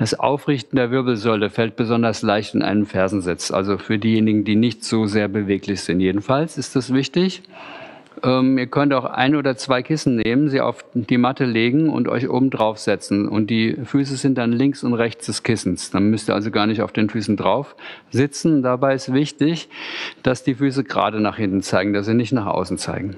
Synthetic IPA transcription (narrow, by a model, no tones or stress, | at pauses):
d̥asʔa̰ʊfʁɪçtn̩deːɐvɪɐbl̩zɔʏləfɛlt̚b̥əzɔndɐslaɪçtɪnʔa̰ɪnəmfɛɐzn̩zɪt͡sʔa̰lzofyːɐdiːjeːnɪɡŋ̩diːnɪçtz̥oːzeːɐbəveːklɪçz̥ɪntjeːdn̩falsɪstd̥asv̥ɪçtɪç | ʔɛːmiːɐkʰœntaʊxʔa̰ɪnoːdɐt͡sv̥aɪkʰɪsn̩neːmənziːʔa̰ʊfd̥iːmatəleːɡŋ̩ʊ̰ntʔɔ̰ʏçʔo̰ːbm̩dʁaʊfz̥ɛt͡sn̩ʊ̰nt̚d̥iːfyːs̬əzɪnt̚d̥anlɪŋksʊntʁɛçt͡sd̥ɛskʰɪsn̩sd̥anmʏstiɐa̰lzoɡaːɐnɪçtaʊfd̥eːnfyːsn̩dʁaʊfz̥ɪt͡sn̩ʊnd̥abaɪɪstv̥ɪçtɪçd̥asd̥iːfyːs̬əɡʁa̰ːdənaːχhɪntn̩t͡saɪɡŋ̩d̥as̬ziːnɪçtnaːχʔa̰ʊsn̩t͡sa̰ɪɡŋ̩